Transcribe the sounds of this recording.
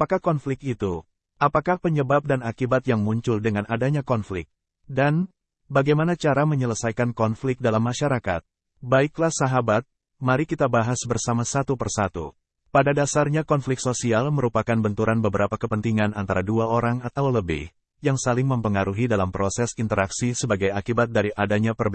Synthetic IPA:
apakahkɔnflɪk̚t̪it̪u | apakahpəɲəbap̚danakibat̪̚jaŋmuɲt͡ʃʊldəŋanadaɲakɔnflɪ̰k̪̚ | dan | baɡajmanat͡ʃaɾaməɲələsajkankɔnflɪk̚dalamːaʃaɾaka̰t̪̚ | baiklahsaɦabat̪̚ | maɾikit̪abaɦasbərsamasat̪upərsat̪ṵ | padadasarɲakɔnflɪkt̪sosialməɾupakanbənt̪uɾanbəbəɾapakəpənt̪iŋanant̪aɾaduaoɾaŋat̪awləbɪ̰h | jaŋsalɪŋməmpəŋaɾuɦidalampɾʔosɛsint̪əɾaksisəbaɡajakibat̪̚daɾiʔadaɲapərb

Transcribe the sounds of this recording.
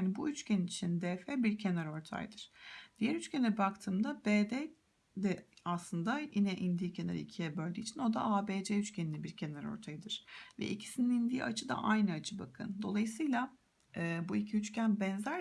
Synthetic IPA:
anibuyt͡ʃcʰeninit͡ʃʰind̪eːfeːbiɾcʰe̞næɾo̞ɾt̪ʰa̰jd̪ɯɾ̥d̪̥ijæɾyt͡ʃcʰʲɛnlʲɛbak̚t̪ʰɯːmd̪abeːd̪ɛ | d̪ɛaslˠɯnd̪ajinɛʔind̪iːcʰena̰ɾɯ̰icʰijɛbølʲd̪iːt͡ʃʰino̞d̪a̰aːbeːd͡ʒɛyt͡ʃcʰʲeninʲɛbiɾcʰe̞næɾo̞̰ɾt̪ʰajɯd̪ɯɾ̥vɛ̰ʔicʰi̥sininind̪iːʔat͡ʃʰɯd̪a̰ʔajnɯat͡ʃʰɯbakʰɯ̰nd̪o̞̰lˠajɯsɯjlˠaː | buicʰiyt͡ʃcʰʲænbɛnzæɾ

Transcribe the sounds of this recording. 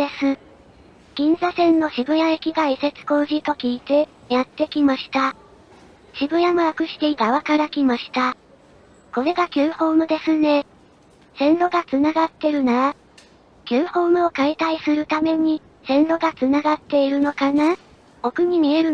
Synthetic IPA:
e̞sɨ | ɡ̥ʲĩnzasẽ̞nːo̞ɕibɯ̟jaekʲiɡaise̞t͡sɨ̥ko̞ːʑit̪o̞kʲiːt̪e̞ | jat̪ːe̞kʲimaɕi̥t̪a | ɕibɯ̟jamɯ̟akɯ̟ɕi̥t̪e̞iɡaβakaɾakʲimaɕi̥t̪a | ko̞ɾe̞ɡakʲɨ̟ːho̞ːmɯ̟d̪e̞sɨne̞ | sẽ̞nɾo̞ɡat͡sɨnaɡat̪ːe̞ɾɯ̟naɾa | kʲɨːho̞ːmɯ̟o̞kait̪aisɨɾɯ̟t̪ame̞ɲ̟i | sẽ̞nɾo̞ɡat͡sɨnaɡat̪ːe̞iɾɯ̟no̞kana | o̞kɯ̟ɲ̟imʲie̞ɾɯ̟

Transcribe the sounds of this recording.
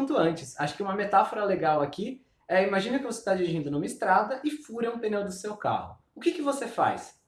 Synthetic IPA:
t̪ʊɐ̃nt͡ʃɪsaʃʊ̥kɪũmɐmet̪afoɾɐleɡawaki | ɛimaʒĩnɐkɪvosest̪ad͡ʒiɾiʒĩnd̪ʊnũmɐist̪ɾad̪ɐʔɪfuɾɐ̃ũpẽnẽw̃d̪ʊsewka̰hʊ | ʊkɪkɪvosefa̰js

